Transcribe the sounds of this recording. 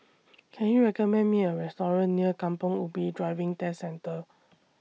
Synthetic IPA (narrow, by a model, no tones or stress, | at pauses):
kʰɛ̃njuɹɛkɔmɛ̃nmiəɹɛstɔɹə̃nːiəkãmpɔ̃ŋubidɹaɪvɪ̃ŋtɛsɛ̃ntə